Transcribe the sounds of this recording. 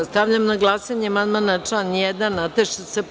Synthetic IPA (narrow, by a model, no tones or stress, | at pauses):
st̪aʋʎamnaɡlˠaːsaɲemanmanat͡ʂlanjɛd̪anːat̪eʃese